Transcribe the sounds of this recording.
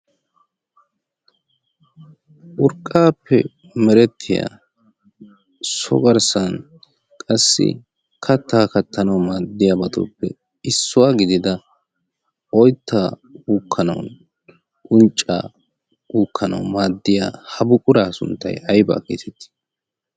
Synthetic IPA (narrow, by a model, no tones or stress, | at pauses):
ʔʊɾkʼːaːpːɛ̰ | mɛɾɛt̪ʰːɪja̰ː | sɔ̰ɡɐɾsɐn | kʼɐsːɪ̰ | kʰɐt̪ːaːkɐt̪ːɐnɐwmaːd̪ːɪjaːbɐt̪ʰo̰ːpːɛ | ɪsːʊwaːɡɪd̪ɪd̪ɐ | ɔjt̪ːaː | uːkʰːɐnɐwn | ʔʼʊnt͡ʃʼːa̰ː | uːkʰːɐnɐ̰wmaːd̪ːɪja̰ːhɐbʊkʼʊɾaːsʊ̰nt̪ːɐ̰jʔɐjba̰ːkeːt̪ɛt̪ːɪ̥